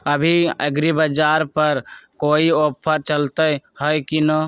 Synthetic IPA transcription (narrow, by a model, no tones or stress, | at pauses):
əbʱiə̰ɡɾibəd͡ʒaɾpəɾkoiopʰːəɾt͡ʃəlt̪əjhəjkino